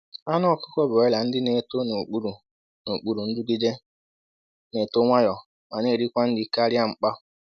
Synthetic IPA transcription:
a˦nɔ˦˨kʊ̥˦kɔ˦bɔ˨ɪ˦la˨n̩˦dɪ˦ne˨to˦n˨k͡pu˦ɾu˨ | no˨k͡pu˦ɾu˨n̩˦dʊ˦ɡɪ˦d͡ʒe˦ | ne˨to˦ŋʷa˦jɔ˨ | ma˨ne˦˨ɾi˦kʷa˦n̩˦dɪ˦˨ka˦ɾja˦ŋ͡m̩˨k͡pa˦

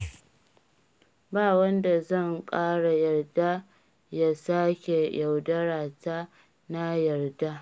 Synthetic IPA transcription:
baː˦wɐ˦nda˨zɐ˦˨ŋkʼaː˦ɽa˨jɐ˨rda˦ | ja˦saː˦kʲe˨ja˨wdɐ˦ɽaː˨ta˦ | na˦jɐ˨rda˦

